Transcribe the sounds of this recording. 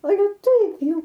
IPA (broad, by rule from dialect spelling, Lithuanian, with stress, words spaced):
ɐˈlʲɛ ˈtɐɪp ˈjɛʊ